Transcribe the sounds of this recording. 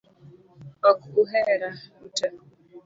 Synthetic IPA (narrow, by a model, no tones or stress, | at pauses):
ɔkuɦeɾauta